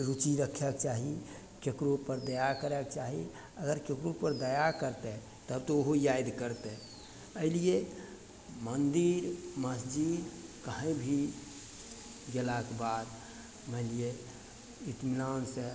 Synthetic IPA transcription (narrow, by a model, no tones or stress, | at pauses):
ɾut͡ʃiɾəkʰɛkt͡ʃaɦi | kekɾopəɾd̪əjakəɾɛkt͡ʃaɦi | əɡəɾkekɾopəɾd̪əjakəɾt̪ɛ | t̪əbt̪ooɦojajd̪kəɾt̪ɛ | əilije | mənd̪iɾməsd͡ʒid̪kəɦə̃bʱi | ɡelakebad̪ | məɪlije | it̪minanse